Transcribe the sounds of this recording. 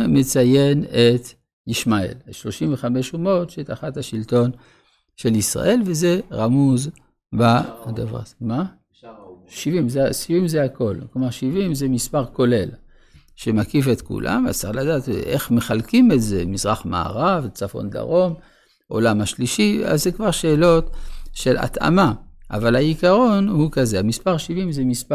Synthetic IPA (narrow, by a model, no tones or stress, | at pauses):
met͡saje̞net̪ | jiʃmaḛlʃlo̞ʃimveχame̞ʃumo̞tʃet̪aχathaʃilto̞n | ʃe̞lisʁa̰ʔe̞lveze̞ʁamuz | bad̪avʁa̰ma | ʃivimzesivimzeako̞lklomaʁʃivimzemispaʁko̞le̞l | ʃemakifet̪kṵlʔa̰ma̰zt͡saχlad̪aːt̪ʔeχmeχalkimetze̞mizʁaχma̰ːʁavt͡safo̞̰nd̪a̰ʁo̞m | ʔo̞̰lamaʃliʃia̰zːekvaʁʃeːlo̞t̪ʃe̞la̰t̪a̰maʔavalaikaʁo̞nhukaze̞amispaʁʃivimzemispa